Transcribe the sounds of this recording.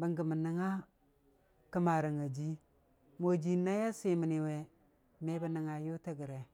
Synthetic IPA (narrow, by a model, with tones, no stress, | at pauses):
bə˨ŋɡə˨mə˨nə˦ŋa˦ | kə˦ma˨ɾa˨ŋa˨d͡ʒi˦ | mo˨d͡ʒi˨˦na˦ja˦si˦mi˨ni˨we˨ | me˦ba˦nə˨ŋa˨ju˦ta˦ɡi˨ɾe˨